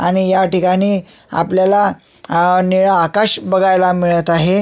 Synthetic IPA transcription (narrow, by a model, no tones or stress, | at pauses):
aɽ̃ijaʈikaɽ̃iːa̰pljala | niɭəːkaɕbəɡajlamiɭət̪aɦe